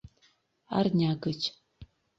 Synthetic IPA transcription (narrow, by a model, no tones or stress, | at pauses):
a̰rnʲaːɡɨt͡ʃʰʼ